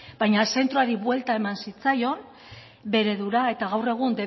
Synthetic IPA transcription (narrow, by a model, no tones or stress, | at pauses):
b̥ajɲase̞nt̪ɾoaɾiβwe̞lt̪ae̞mansit͡sajo̞n | be̞ɾe̞ðuɾae̞t̪aɣawre̞ɣ̞und̪e̞